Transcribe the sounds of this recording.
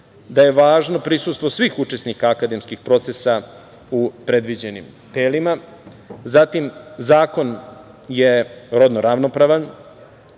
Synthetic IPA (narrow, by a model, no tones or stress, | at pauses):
d̪aje̞ʋaːʒno̞pɾisust̪ʋo̞sʋiːxut͡ʂe̞snikaːkad̪e̞mskixpɾo̞t̪sesa | upɾe̞d̪ʋid͡ʑe̞nḭmt̪elima | zat̪imzaːko̞n | je̞ɾod̪noɾaʋnopɾaʋan